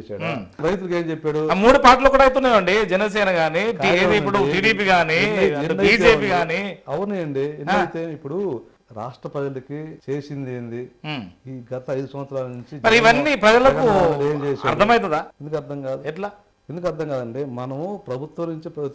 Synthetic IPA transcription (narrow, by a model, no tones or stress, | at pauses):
saːɽ | ɾɐjt̪ulukeːmt͡ʃepːaːɽumuːɽupaːʈ̬luːkuːɽaːɐjt̪̬unːaːʋɐɳɖid͡ʒɛnɐs̬ɛːnɐɡaːnikʈieːiipːuɽuiːɽiːpiːɡaːniɐiːd͡ʒeːpiːɡaːniɐʋɐnijɐɳɖienɐjt̪eːipːuɽu | ɾa̰ːʂʈɾɐpɾɐd͡ʒɐlɐkit͡ʃeːsind̪end̪iiːɡɐt̪ɐɐjd̪usɐ̃mʋɐt̪sɾaːlɐnuɲt͡ʃimɐɾiʋɐnːipɾɐd͡ʒɐlɐkueːmt͡ʃɛːɐ̰ɾt̪ʰɐmɐjt̪̬ɐd̪aːend̪ukɐɾd̪ʱɐŋkaːd̪ueʈlaː | end̪ukɐɾd̪ʱɐŋkaːd̪ɐɳɖeːmɐnɐmupɾɐbʱut̪wʋɐnuɲt͡ʃipɐ